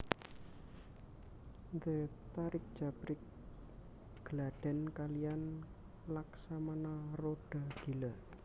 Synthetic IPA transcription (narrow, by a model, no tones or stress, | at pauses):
nd̪ət̪aɾɪk̚d̥ʒ̥a̤b̥ɾɪk̚ | ɡ̥əlaɖ̥ɛ̤nkalijan | laksamanaroɖ̥a̤ɡ̥ila